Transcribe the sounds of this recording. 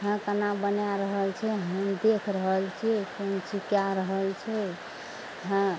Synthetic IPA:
ɦə̃kənabənjaɾəɦəlt͡ʃʰɛɦəmd̪ekʰɾəɦəlt͡ʃʰikont͡ʃikjaɾəɦəlt͡ʃʰɛ | ɦə̃

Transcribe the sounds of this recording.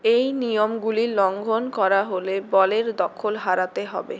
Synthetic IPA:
ejnijomɡulilɔŋɡʱonkɔɾaɦolebɔleɾd̪ɔkʰolɦaɾat̪eɦɔ̰be

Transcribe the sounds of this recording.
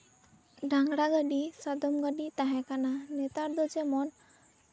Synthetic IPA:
ɖaŋɡɽaɡaɖisad̪omɡaɖit̪aɦɛkananet̪aɾd̪od͡ʒemɔn

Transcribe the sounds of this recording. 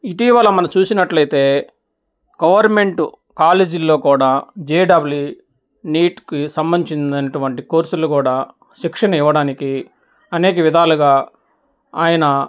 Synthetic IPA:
iʈiːʋɐlɐmɐnɐmt͡ʃuːsinɐʈlɐjt̪e̞ː | ɡ̥ɐʋɐɾme̞ɳʈu | kaːleːd͡ʒilːo̞ːkuːɽaːd͡ʒeːɖɐbulju | niːʈkisɐmbɐnit͡ʃind̪ɐnɐʈuʋɐɳʈikoːɾsulukuːɽaː | ʃikʂɐnɐiʋːɐɽaːniki | ɐneːkɐʋid̪ʱaːluɡaː | aːjɐnɐ

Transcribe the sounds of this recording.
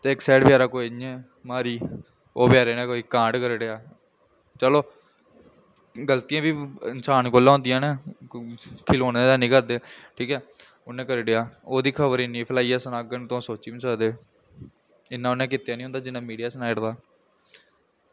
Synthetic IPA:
t̪eːɪksɛːʈbɪjaːɾaːkoːiniɛ̃ː | maːɾiː | oːpjaːɾeːnẽːkoːiːkãːɳɖkəɾɖeaː | t͡ʃəloː | ɡəlt̪ijãːbiːɪnsaːnkoːlːãːõːnd̪ɪjãːneː | kʰɪloːnẽːd̪ɛːnĩːkəɾd̪eːʈʰiːkɛː | ʊnːẽːkəɾɖɪjaːoːd̪iːkʰəbəɾɪniːpʰəlaːiːɛːsənaːɡənt̪õːsoːt͡ʃiːʋĩːsəkd̪eː | ɪnːãːʊnːẽːkɪt̪ːejaːnĩːɦõːnd̪aːd͡ʒɪnːãːmiːɖijaːsnaːɪʈd̪aː

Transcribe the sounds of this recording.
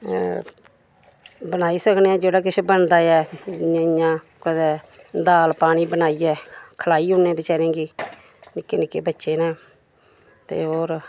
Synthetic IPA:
bənaːiːsəkneːãːd͡ʒeːɽaːk̬ɪt͡ʃʰbəɳd̪aːjɛ̃ː | jãː | kɛː | d̪aːlpaːɽiːbənaːiːɛːkʰəlaːiːɦʊnːẽːbɪt͡ʃaːɾẽːɡiː | nɪkːeːnɪkːeːbətːʃeːnãː | t̪ḛːɦoːɾ

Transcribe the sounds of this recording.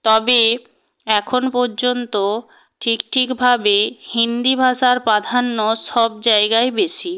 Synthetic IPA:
t̪ɔbe | ɛkʰonpɔɾd͡ʑont̪o | ʈʰikʈʰikbʱabehind̪ibʱaʃaɾpad̪ʱanːoʃɔb̚d͡ʑaeɡaebeʃi

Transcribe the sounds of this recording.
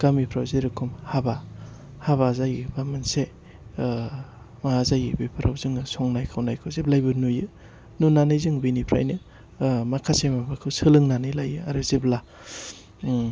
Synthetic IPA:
ɡ̥amipʰɾawzeɾɯkʰumhaba | haβazajɯbamɯnse | maazajɯbipʰɾʔawzɯŋɯsɔŋnajkʰawnajkʰɯwzeb̚lajbɯnujɯ | nunanɯjzɯŋbinipʰɾa̰jnɯ | makʰasemabakʰɯwsɯlɯŋnanɯjlajɯaɾɯzebla

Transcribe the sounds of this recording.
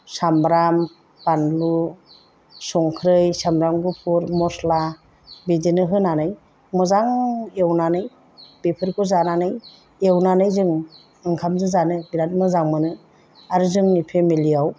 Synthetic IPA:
sambɾam | panlu | sɔŋkʰɾɯjsamɾamɡupʰuɾmɔsla | bidinɯɦɯnanɯj | mɔzaŋewnanɯj | b̥epʰɯɾkʰɯzananɯj | ewnanɯjzɯŋ | ɯŋkʰamzɯzanɯbiɾat̚mɯzaŋmɯnɯ | aɾɯzɯŋnipʰemiliaw

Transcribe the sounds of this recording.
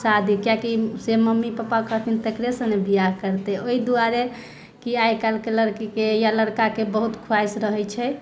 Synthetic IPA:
sad̪ʱikjakiseməmːipəpakəɦt̪ʰint̪ekɾesə̃nebijakəɾt̪ɛoid̪uaɾe | kiajkalkeləɾkikejaləɽkakebəɦut̪kʰuajsɾəɦɛjt͡ʃʰɛ

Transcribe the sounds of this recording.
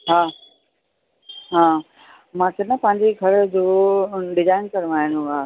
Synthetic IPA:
ɦaː | ɦãː | mãːkʰenɐpɐ̃ɦɪ̃ɲd͡ʑeɡʱɐɾd͡ʑoːɖɪzaːɪnkɐɾmaːɦɪnũaː

